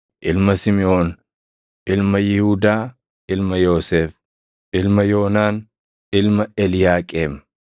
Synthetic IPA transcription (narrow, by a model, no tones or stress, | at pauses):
ʔɪlmɐsɪmɪʔo̞ːn | ʔɪlmɐjɪhuːd̪aː | ɪlmɐjo̞ːseːf | ɪlmɐjo̞ːnaːn | ɪlmɐʔɛlɪjaːkʼeːm